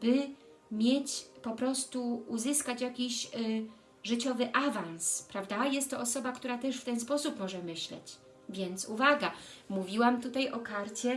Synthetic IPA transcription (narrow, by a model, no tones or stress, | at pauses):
b̥ɘ | mʲjet͡ɕpɔpɾɔst̪uuzɘskat͡ɕjakʲiɕ | ʐɘt͡ɕɔvɘʔavãñspɾavd̪ajɛst̪ːɔɔsɔbakt̪uɾat̪ɛʂft̪ɛnspɔsupmɔʐɛmɘɕlɛ̰t͡ɕ | vʲjɛnt̪suvaɡamuvʲiwamt̪ut̪ajɔkaɾt͡ɕɛ